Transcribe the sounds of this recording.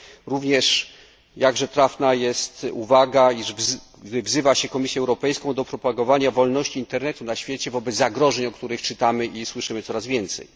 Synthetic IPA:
ɾuvɲɛʂ | jaɡʐɛt̪ɾafnajɛst̪ṵvaɡaiʐv | vzɘvaɕɛkɔmʲisʲjɛɛwɾɔpɛjskɔ̃w̃d̪ɔpɾɔpaɡɔvaɲavɔlnɔɕt͡ɕiːnt̪ɛɾnɛt̪unaɕfʲjet͡ɕɛvɔbɛt̪zaɡɾɔʐɛɲɔkt̪uɾɘxt͡ʂɘt̪amɘʔiswɘʂɘmɘt̪sɔɾazvʲjɛnt̪sɛ̰j

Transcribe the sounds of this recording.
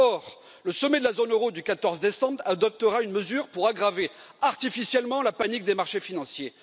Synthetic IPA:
ɔʁ | ləsɔmɛd̪əlazonøʁod̪ykat̪ɔʁzd̪esɑ̃bʁad̪ɔp̚t̪əʁaynməzyʁpuʁaɡʁave | aʁt̪ifisjɛlmɑ̃lapanik̚d̪emaʁʃefinɑ̃sje

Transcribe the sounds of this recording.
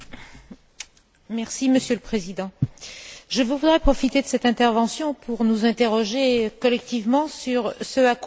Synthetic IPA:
mɛʁsiməsjøləpχezid̪ɑ̃ | ʒəvuvud̪ʁɛpχɔfit̪ed̪əsɛt̪ɛ̃t̪ɛʁvɑ̃sjɔ̃pʰuʁnuzɛ̃t̪eʁɔʒekɔlɛk̚t̪ivmɑ̃syʁsəak

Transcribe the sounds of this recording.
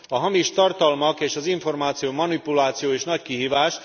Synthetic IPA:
ɒɦɒmiʃt̪ɒrt̪ɒlmɒkeːʃɒziɱfo̞rmaːt̪sijoːmɒnipulaːt̪sijoːeːʃnɒckiɦiːvaːʃ

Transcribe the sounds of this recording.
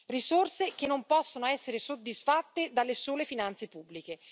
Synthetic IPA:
risorsek̟enːompɔsːonoɛsːeɾesod̪ːisfat̪ːed̪alːesoːlefinant̪sepubːlike

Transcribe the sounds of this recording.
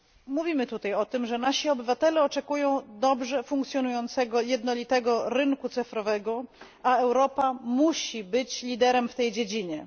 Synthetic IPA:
muvʲimɘt̪ut̪ajɔt̪ɘmʐɛnaɕiɔbɘvat̪ɛlɛɔt͡ʂɛkujɔ̃w̃d̪ɔbʐɛfuŋk̚t̪sʲjɔnujɔnt̪sɛɡɔjɛd̪nɔlʲit̪ɛɡɔɾɘŋkut̪sɘfɾɔvɛɡɔ | aɛwɾɔpamuɕibɘt͡ɕlʲid̪ɛɾɛmft̪ɛjd͡ʑed͡ʑiɲɛ

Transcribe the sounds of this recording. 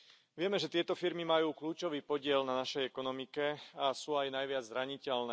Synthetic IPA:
ʋɪɛmɛʒɛt̪ɪɛt̪ɔfiɾmimajuːkluːt͡ʃɔʋiːpɔɟɪɛlnanaʃɛjɛkɔnɔmikɛasuːajnajʋɪad͡zzɾaɲicɛlnɛː

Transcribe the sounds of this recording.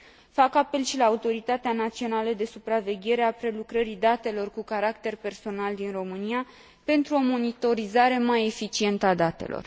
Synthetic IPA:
fakape̞lʃilaːut̪o̞ɾit̪at̪eanat̪sio̞naləd̪e̞supɾave̞ɡʲe̞ɾe̞apɾe̞lukɾəɾid̪at̪e̞lo̞rkukaɾakt̪e̞rpe̞rso̞nald̪inro̞mɨnia | pe̞nt̪ɾuo̞mo̞nit̪o̞ɾizaɾe̞maje̞fit͡ʃie̞nt̪əad̪at̪e̞̰lo̞̰r

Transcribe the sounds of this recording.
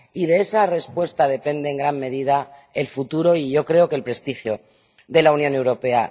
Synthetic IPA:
ið̞e̞esare̞spwe̞st̪að̞e̞pe̞nd̪e̞ːŋɡɾamme̞ð̞iðae̞lfut̪uɾo̞iʝo̞kɾe̞o̞kelpɾe̞st̪ixjo̞ | ðe̞launjo̞ne̞wɾo̞pe̞a̰

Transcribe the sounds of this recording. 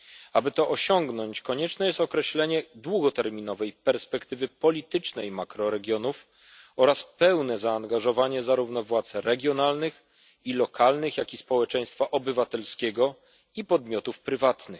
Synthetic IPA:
abɘt̪ɔʔɔɕɔŋɡnɔɲt͡ɕkɔɲɛt͡ʂnɛjɛst̪ɔkɾɛɕlɛɲɛd̪wuɡɔt̪ɛɾmʲinɔvɛjpɛɾspɛkt̪ɘvɘpɔlʲit̪ɘt͡ʂnɛjmakɾɔɾɛɡʲjɔnuf | ɔɾaspɛwnɛzaːŋɡaʐɔvaɲɛzaɾuvnɔvwat̪sɾɛɡʲjɔnalnɘx | ilɔkʰalnɘxjakʲispɔwɛt͡ʂɛj̃st̪faʔɔbɘvat̪ɛlskʲɛɡɔ | ipɔd̪mʲjɔt̪ufpɾɘvat̪nɘ

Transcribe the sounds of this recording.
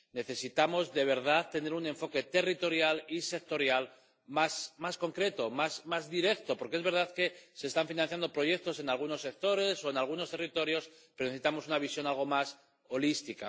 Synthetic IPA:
ne̞θe̞sit̪amo̞zðe̞β̞e̞ɾð̞aðt̪e̞ne̞ɾune̞ɱfo̞ke̞t̪e̞rit̪o̞ɾjalise̞k̚t̪o̞ɾjal | masmasko̞ŋkɾe̞t̪o̞masmazðiɾe̞kt̪o̞po̞ɾkee̞zβe̞ɾð̞aðke̞se̞ːst̪aɱfinanθjand̪opɾo̞ʝe̞k̚t̪o̞se̞nalɣ̞uno̞sːe̞k̚t̪o̞ɾe̞so̞enalɣ̞unost̪e̞rit̪o̞ɾjo̞s | peɾoneesi̥t̪amo̞sunaβ̞isjo̞nalɣ̞o̞mas | o̞list̪ika̰

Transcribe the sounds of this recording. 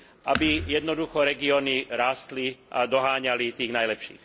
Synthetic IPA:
ʔabijɛd̪nɔd̪uxɔɾɛɡiɔniɾaːst̪liʔa̰d̪ɔɦaːɲalit̪iːɣnajlɛpʃḭːx

